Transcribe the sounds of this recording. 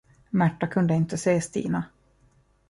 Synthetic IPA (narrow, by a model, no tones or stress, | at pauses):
mæʈːakʰɵnd̪əɪnt̪əseːst̪ḭːna